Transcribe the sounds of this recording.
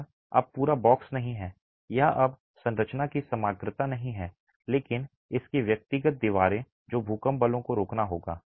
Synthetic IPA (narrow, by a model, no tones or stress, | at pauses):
ɐ̰b̚puːɾabɔːksnɐɦĩɦɛː | jɐɦɐb | sɐ̃nɾət͡ʃnakisɐmaːɡɾɪt̪anɐɦĩɦɛː | leːkɪn | ɪskeʋjɐk̚t̪ɪɡət̪̚d̪iʋaːɾẽ | d͡ʒoːbʱuːkəmbəlõkoɾoːknaɦoːɡa̰ː